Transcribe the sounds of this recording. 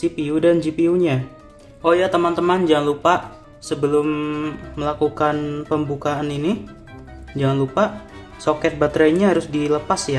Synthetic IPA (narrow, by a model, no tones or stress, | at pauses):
sipiudand͡ʒipiuɲa | ʔojat̪əmant̪əmand͡ʒaŋanlupaʔ | səbəlʊmːəlakukanpəmbukaːnini | d͡ʒaŋanlupaʔ | sokɛt̪̚bat̪ɾaɲaɦaɾʊsdiləpasja